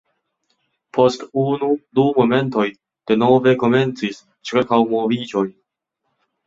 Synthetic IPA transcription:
pʰo̞stunudumo̞me̞nto̞j | d̥e̞no̞ve̞ko̞me̞nt͡sis | t͡ʃiɾkawmo̞vid͡ʒo̞j

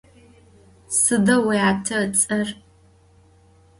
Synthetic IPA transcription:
sɨdɐweatʰɐt͡sʼɐr

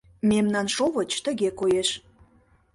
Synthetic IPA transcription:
memnɑnʃoβət͡ɕt̪ə̆ɣekojeʃ

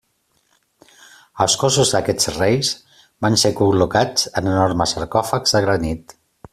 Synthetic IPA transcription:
əlˠskɔsuzðəkɛt͡srejs | bansekulukat͡sənənoɾməsəɾkɔfəkzəɣɾənit̪

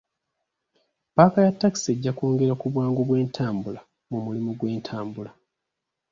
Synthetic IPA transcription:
paːkajatːaki̥se̞ɟːakoːŋɡe̞ɾakuβwaːŋɡoβwe̞ːntʰaːmbula | mumulimuɡwe̞ːntʰaːmbula

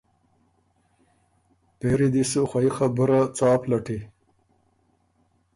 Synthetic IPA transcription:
peɾid̪isuxwaixabʊɾat͡sɑːplaʈi

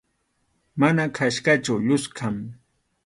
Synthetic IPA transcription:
manakʰaʃkat͡ʃawʎʊskʰam

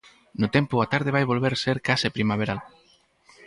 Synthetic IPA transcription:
nʊt̪empʊat̪aɾð̞ɪβajβolβeɾseɾkasɪpɾimaβ̞eɾal

